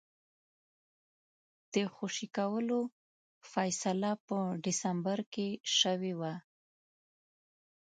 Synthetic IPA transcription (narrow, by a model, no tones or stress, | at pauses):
d̪̥əxoʃikawəlo | fajsalapəɖɪsambaɾkeʃəwewa